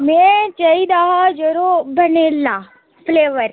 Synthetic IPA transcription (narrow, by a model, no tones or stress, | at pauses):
mẽt͡ʃɐid̪aːɦad͡ʒɐɾobʱɐnelːaː | pleːʋəɾ